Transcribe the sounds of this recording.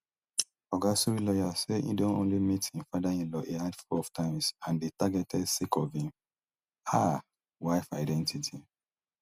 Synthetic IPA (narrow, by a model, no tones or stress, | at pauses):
ɔɡasuɹilɔjaseḭ̃dõnõ̰nlimithĩmfadaĩnlɔʔehadfɔɔvtʰãɪ̃msãndetaɡɛtʰɛdsikɔvĩm | a | waɪfaɪdɛ̃ntʰitʰi